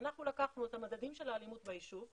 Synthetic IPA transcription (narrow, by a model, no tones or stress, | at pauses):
naxulakaχnuet̪amad̪ad̪imʃelaːlimut̪̚baiʃu